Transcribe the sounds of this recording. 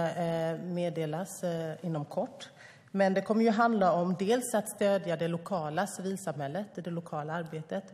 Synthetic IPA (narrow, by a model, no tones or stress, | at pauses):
meːd̪eːlasɪnːɔmkʰɔʈː | mɛnd̪ɛkʰɔmːəɾjɵɦand̪laɔmd̪eːlsat̪st̪øːd̪jad̪ɛlʊkʰɑːlasɪviːlsamhɛlːət̪ɪd̪ɛlʊkʰɑːlaaɾbeːt̪ət̪